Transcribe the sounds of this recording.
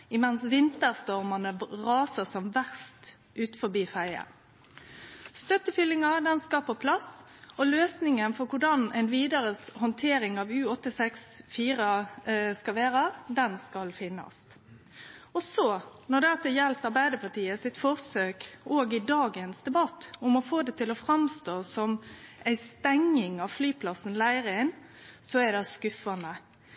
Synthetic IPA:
ɪmɛnsʋɪnt̪əʁst̪ɔʁmənəʁɑːsəsɔmʋæʁst̪ | ʔʉːt̪̩fɔbiːfæɪə̰ɾ | st̪œt̪ːəfʏlːɪŋɑd̪ɛnskɑːpəpʰlɑs | ɔløːsnɪŋənfɔɾkʰʊɖɑnɛnʋiːd̪əɾəshɔnt̪ʰeːɾɪŋɑʋʉːɔt̪ːɪsɛksfiːʁəskɑʋeːɾəʁd̪ɛnskɑlfɪnːɑ̰s | ɔsɔnɔd̪ɛɑt̪ːɛjɛlt̪ɑɾbæɪd̪əpɑʈ̪iːəsɪt̪fɔʁsøːkoːɡɪd̪ɑːɡənsd̪ɛbɑt̪ːʊmɔfoːd̪ɛt̪ʰɪlɔfɾɑmst̪oːsɔmʔæɪst̪ɛŋːɪŋɑʋflyːpʰlɑsən̩læɪɾəæɪn | sɔæd̪ɛskʉfɑnə

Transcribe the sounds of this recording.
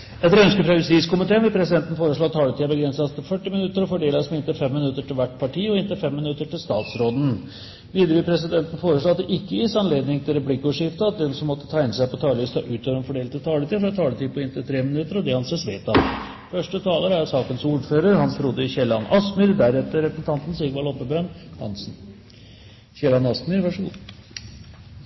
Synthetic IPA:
ɛt̪ːɾœnskəpʰɾɑʋɪsiːskʊmɪt̪ʰeːənʋɪlpʰɾɛsɪd̪ɛnt̪n̩foːɾəʂɭoːɑt̪ʰːɑːlət̪iːɑbəɡɾɛnsɑst̪ʰɪfœʈːɪmɪnʉt̪ːəɾɔfɔɖeːlɑsmɛɪnt̪əfɛmːɪnʉt̪ːəʈɪlʋæʈːpʰɑʈiːɔɪnt̪əfɛmːɪnʉt̪ːəʈɪlst̪ɑːt̪sɾoːd̪n̩ | ʋiːd̪ɾəʋɪpʰɾɛsɪd̪ɛnt̪n̩foːɾəʂɭoːɑt̪d̪ɛʔɪkːəɪsɑnleːd̪nɪŋt̪ʰɪlɾɛplɪkːɔʂɪft̪ɑɑt̪̚d̪ɛnsɔmːɔt̪ːə̥t̪ʰæɪnəsæɪpɔt̪ʰɑːlist̪ɑʔʉːt̪ɔʋɾɛnfɔɖeːlt̪ʰɪt̪ʰɑːlət̪ʰiːəfɔɾɑt̪ʰɑːlət̪iːpʰɔɪnt̪ət̪ʰɾeːmɪnʉt̪ːəɾɔd̪ɛhɑnseːsʋeːt̪ɑt̪ | fœʂʈət̪ʰɑːləɾæsɑːkənsuːɖføːɾəɾhɑnsʰɾʊd̪ːəɪçɛlɑnʔɑsmʏɾd̪æɾɛt̪ːəɾɛpɾəsn̩t̪ʰɑnt̪n̩siɡʋɑlɔpːəbœnhɑ̰nsn̩ | çɛlɑnɑsmʏɾʋæʂəɡṵː

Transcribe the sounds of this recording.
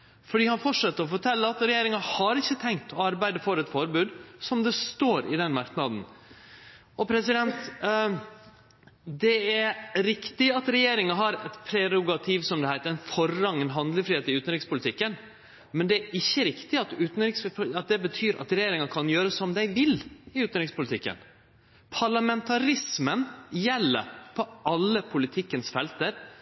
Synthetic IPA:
fɔɖiːhɑnfɔʈʂɛt̪ːəɾɔfɔʈʰɛlːəɾɑt̪ɾɛjeːɾɪŋɑhɑɾɪçːət̪ʰɛŋkt̪ʰɔɑɾbæɪd̪əfɔɾɛt̪fɔɾbʉːd̪sɔmd̪ɛst̪oːɾɪ̰d̪ɛnmɑɾknɑd̪n̩ | ʔɔpʰɾɛsɪd̪ɛnt̪ | d̪ɛæɾɾɪkt̪ɪɑt̪ɾɛjeːɾɪŋɑɦɑɾɛt̪pʰɾɛɾʊɡɑt̪ʰiʋsɔmd̪ɛhæɪt̪əɾɛnfɔrːɑŋɛnɦɑnd̪ləfɾiːeːt̪ɪʉːt̪nɾɪkspʊlɪt̪ʰɪkːən | mɛnd̪ɛæɾɪçːəɾɪkt̪ɪɑt̪ʉːt̪nɾɪkspʰɑt̪̚d̪ɛbət̪ʰyːɾʔɑ̰t̪ɾɛjeːɾɪŋɑkʰɑnjøːɾəsɔmd̪æɪʋɪlɪʉːt̪n̩ɾɪkspʊlt̪ɪkːə̰n | pʰɑɭɑmɛnt̪ʰɑɾɪsmənjɛlːə̰ɾpʰɔʔɑlːəpʰʊlɪt̪ʰɪkːənsfɛlt̪əɾ

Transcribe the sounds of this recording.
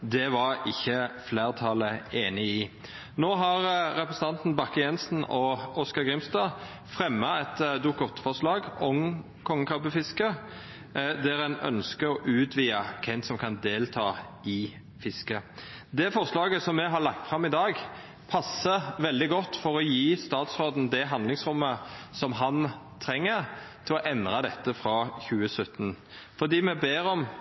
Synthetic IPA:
d̪ɛʋɑɾɪçːəfleːʁt̪ʰɑləeːnɪɪ | noːɦɑɾɾɛpɾəsən̩t̪ɑnt̪n̩bɑkːəjɛnsn̩ɔɔskɑʁɡʁɪmst̪ɑː | fʁɛmːɑɛt̪d̪ʊkɔt̪ːfɔʁʂlɑːɡɔm | kʰɔŋːəkʰʁɑpəfɪskə | d̪ɛɾɛnœ̰nskəɔʔʉːt̪ʰʋiːɑkʰɛnsɔmkʰɑnd̪eːlt̪ʰɑ̰ː | ɪ | fɪskəd̪ɛːfɔɾʂlɑːɡəsɔmːɛɦɑɭɑk̚t̪fʁɑmɪd̪ɑːɡ | pʰɑsːəʋɛld̪ɪɡɔt̪ːfɔɾɔjiːst̪ɑːt̪sʁoːd̪n̩d̪ɛɦɑnd̪lɪŋsɾʊmːəsɔmɦɑn | t̪ʰɾɛŋːəʁt̪ʰɪlɔʔɛnd̪ʁɑd̪ɛt̪ːəfɾɑːçʉːəsœt̪ːn | fɔd̪iːmɛbeːɾɔm

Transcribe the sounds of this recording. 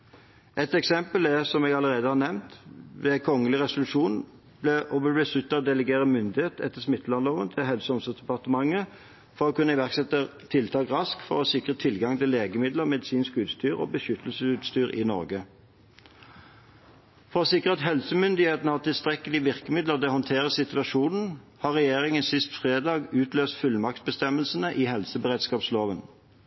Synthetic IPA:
ʔɛt̪ɛksɛmpəlɛsɔmeːɡɑləʁeːd̪əhɑːʁnɛmnt̪ʋɛkʰɔŋəlɪʁɛsʊlʉʂuːn | b̥lɛʔɔbəbɛsʉt̪ːɑd̪ɛləɡeːʁəmʏnd̪ɪheːt̪ɛt̪ːəsmɪt̪ːlɑnloːʋə̰nt̪ʰɪɦɛlsəɔmsəsd̪ɛpɑʁt̪əmɑŋːə | fɔʁɔkʉnːəɪʋæʁksɛt̪ət̪ʰɪlt̪ʰɑːɡʁɑskfɔ̰ʁɔsɪkʁət̪ʰɪlɡɑŋt̪ʰɪleːɡəmɪd̪ləʁmɛd̪ɪsiːnskʉːt̪st̪yːʁɔ̰bəʃʏt̪əlsəʉːt̪st̪yːʁɪ̰nɔ̰ʁɡə | fɔʁɔsɪkʁəɑt̪ɦɛlsəmʏnd̪ɪheːt̪nəhɑʁt̪ɪlst̪ʁɛkəlɪʋɪʁkəmɪd̪ləʁd̪ɛːhɔnt̪ʰeːʁəsɪt̪ʉɑʃuːnn̩ | hɑːʁɛjeːʁɪŋənsɪst̪fʁeːd̪ɑːɡʉːt̪ʰløːst̪fʉlːmɑk̚t̪̚bəst̪ɛməlsənəʔiːhɛlsəbəʁeːd̪skɑːpsloːʋən

